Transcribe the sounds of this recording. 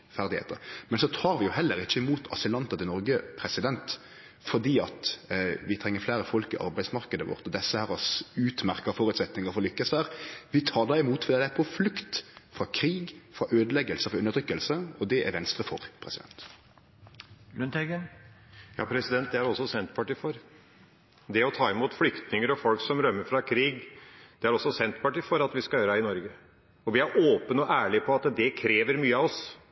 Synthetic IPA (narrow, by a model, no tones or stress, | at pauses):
fæʁd̪ɪhḛːt̪əʁmɛnsɔt̪ʰɑːɾʋɪjʊhɛlːəɾɪçːəɪmuːt̪ʰɑsɪlɑnt̪ɑt̪ɪnɔɾɡəpʰɾɛsɪd̪ɛnt̪ | fɔɖiːɑt̪ʋɪt̪ʰɾɛŋːəɾflæːɾəfɔlkɪʔɑ̰ɾbæɪsmɑʁkəd̪əʋɔ̰ʁt̪ɔd̪ɛsːəhæːɾɔsʉːt̪mæʁkɑfɔɾʉt̪sɛt̪nɪŋɑfɔʁlʏkːəsʋæːʁʋɪt̪ʰɑːd̪ɑɪmuːt̪fɔɾd̪iːd̪ɛæɾpʰɔflʉkt̪fʁɑkʰɾiːɡfɾɑʔøːd̪əlɛɡəlsəfɔʉnːət̪ʰʁʏkːəlsəɔd̪ɛʔæ̰ɾʋɛnst̪ʁəfɔɾpʰɾɛsɪd̪ɛ̰nt̪ | lʉnɛɡən | jɑ̰ːpʰɾɛsɪd̪ɛnt̪̚d̪ɛæɾɔsːɔsɛnt̪pʰɑʈiːfɔɾ | d̪ɛɔt̪ʰɑːɪmuːt̪flʏkt̪nɪŋəɾɔfɔlksɔmɾœmːəfɾɑkʰɾiːɡd̪̥ɛæɾɔsːɔsɛnt̪pʰɑʈiːfɔɾɑt̪ʋɪskɑljøːɾɛɪnɔɾɡə | ɔʋɪæɾʔoːpənɔʔæːɭɪpʰɔɑt̪d̪ɛkʰɾeːʋəɾmyːəɑʋɔs